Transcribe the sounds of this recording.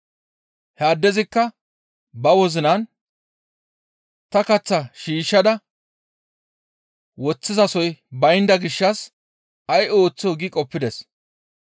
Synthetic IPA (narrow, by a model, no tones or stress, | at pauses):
hɛaːd̪ːɛzɪkːɐ | bɐwɔzɪnɐn | t̪ɐkɐt͡sːɐʃiːʃːɐd̪ɐ | wɔt͡sːɪzɐsɔjbɐjnd̪ɐɡɪʃːɐs | ɐjo̞ːt͡sːɪɔɡɪkʼɔpːɪd̪ɛs